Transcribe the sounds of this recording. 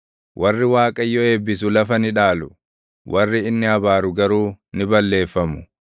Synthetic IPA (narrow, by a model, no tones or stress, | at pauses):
wʔɐrːɪwaːkʼɐjːɔe̞ːbːɪsʊlɐfɐnɪᶑaːlʊ | wʔɐrːɪɪnːɪɐbaːɾʊɡɐɾuːnɪbɐlːe̞ːfːɐmʊ̥